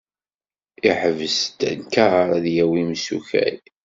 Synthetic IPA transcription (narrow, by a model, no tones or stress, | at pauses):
iħəvəst̪ənkɑɾˤæðjæwimsṵçæ̰j